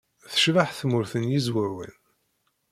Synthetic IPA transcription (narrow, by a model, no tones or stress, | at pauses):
θə̥ʃvaħθmʊɾθənjizwəɾwḭn